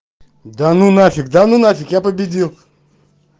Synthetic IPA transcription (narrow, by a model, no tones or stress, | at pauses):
d̪anunafʲikd̪anunafʲikjapəbʲidʲilˠ